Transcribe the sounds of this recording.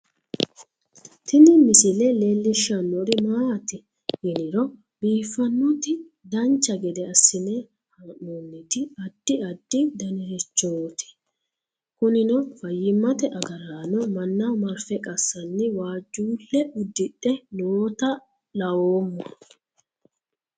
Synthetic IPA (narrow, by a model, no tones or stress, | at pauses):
t̪ɪnɪmɪsɪlɛleːlːɪʃːɐnːɔɾɪmaːt̪ɪ | hɛnɪɾɔ | biːfːɐnːɔt̪ɪ | d̪ɐnt͡ʃːɐɡɛd̪ɛɐsːɪnɛ | hanːuːnːɪt̪ɪɐd̪̥ːɪɐd̪̥ːɪd̪ɐnɪɾɛt͡ʃːoːt̪ɪ̥ | kʊnɪnɔfɐjːɪmːɐt̪ɛʔɐɡɐɾaːnɔmɐnːamɐɾfɛkʼɐsːɐnːɪwaːd͡ʒːuːlːɛʊd̪ːɪɗɛnot̪ɐ | lɐwoːmːɔ